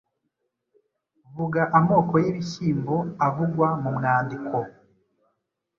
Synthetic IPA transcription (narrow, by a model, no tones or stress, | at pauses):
vuɡaʔamo̞ːko̞jiβiʃiːmbo̞avuɡwamumŋaːndikʰo̞